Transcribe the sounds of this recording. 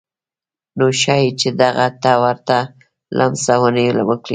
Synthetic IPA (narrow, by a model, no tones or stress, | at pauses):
noʃɑjet͡ʃed̪aɣat̪awaɾt̪a | lʔa̰msawənelawəkɽi